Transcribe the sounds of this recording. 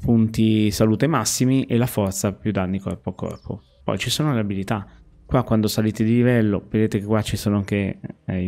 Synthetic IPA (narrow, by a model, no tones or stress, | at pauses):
punt̪isaluːt̪emasːimiʔelafɔrt̪sapjud̪ːanːikɔ̰rpoakːɔ̰rpo̰ | pɔ̰jt͡ʃisoːnoleabilit̪a | kwakːwand̪osaliːt̪ed̪ilivɛlːoved̪eːt̪ekekːwat͡ʃisoːnoaŋke